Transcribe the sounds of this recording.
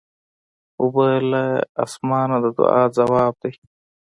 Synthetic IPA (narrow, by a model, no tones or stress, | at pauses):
ubɐlaɐ̰smaːnɐd̪ɐd̪ṵa̰ːzɐwaːb̚d̪ɐj